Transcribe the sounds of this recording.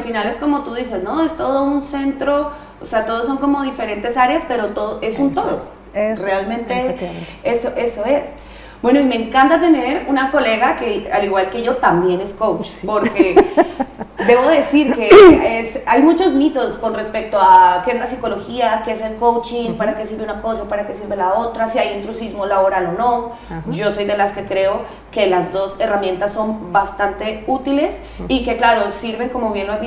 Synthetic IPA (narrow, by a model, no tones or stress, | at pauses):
finale̞sko̞mo̞t̪uðise̞zno̞e̞st̪o̞ð̞o̞unse̞nt̪ɾo̞ | oseat̪o̞ð̞os̬o̞ŋko̞mo̞ðife̞ɾe̞nt̪e̞saɾeaspe̞ɾo̞t̪oðoʔe̞sunt̪oðo | re̞almẽnt̪ee̞so̞ʔe̞so̞e̞s | bwe̞noimeŋkant̪at̪e̞ne̞ɾunako̞le̞ɣake̞aliɣwalkeʝo̞t̪ambje̞ne̞skowt͡ʃpo̞ɾke̞ | d̪e̞βoðesiɾkeesajmut͡ʃo̞zmit̪o̞sko̞nre̞spek̚t̪oakeezlasiko̞lo̞xiakeeselko̞wt͡ʃiŋpaɾake̞siɾβeunako̞saopaɾake̞siɾβelao̞t̪ɾasiajent̪ɾusizmolaβo̞ɾalo̞no̞ | d͡ʒo̞so̞jd̪e̞laske̞kɾe̞o̞ | ke̞lazd̪o̞se̞ramje̞nt̪asːo̞mbast̪ant̪e̞ut̪ile̞s | ike̞klaɾo̞siɾβe̞ŋko̞mo̞βje̞nloai